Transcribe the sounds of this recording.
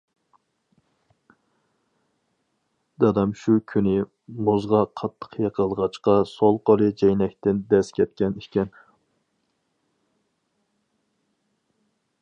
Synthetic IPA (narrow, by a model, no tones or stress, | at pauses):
d̪ɑd̪ɑmʃukʲʰynɪ | mozʁɑqʰɑt̪ʰːə̥qʰjɑqʰəlˠʁɑt͡ʃqɑsolˠqolˠɨd͡ʒɛjnɛkʲt̪ɪnd̪ɛskʲʰɛt̪̚kʲɛnikʲɛn